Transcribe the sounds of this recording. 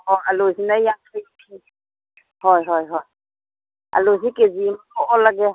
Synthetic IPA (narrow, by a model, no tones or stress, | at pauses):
hɔalɔzinajjaŋkʰajkʰi | hɔjɦɔjɦɔj | a̰lɔzikezimakɔʔɔlaɡɛ